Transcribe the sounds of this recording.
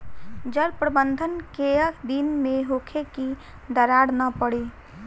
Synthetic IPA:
d͡ʒəɾpɾəbənd̪ʱənkeəkd̪inmẽɦoːkʰeki | d̪əɾaːɽnapəɽi

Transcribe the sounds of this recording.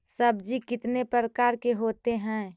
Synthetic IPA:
səbd͡ʒikɪt̪nepɾəɾəkaːɾkeɦot̪eɦɛ̃

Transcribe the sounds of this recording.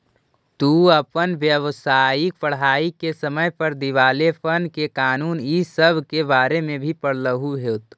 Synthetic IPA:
t̪uːəpənʋjəʋsaːɪk̚pəɽ̤aːikesəməjpəɾd̪iʋaːlepʰənkekaːnuːnisəbʱkebaːɾemẽbʱipəɽləɦuɦeːt̪ʰ

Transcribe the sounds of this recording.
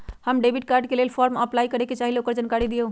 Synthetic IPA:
həmɖebiʈ̚kaɾɖkelelpʰɔɾməplaikəɾeket͡ʃaɦileokəɾd͡ʒankaɾid̪iə

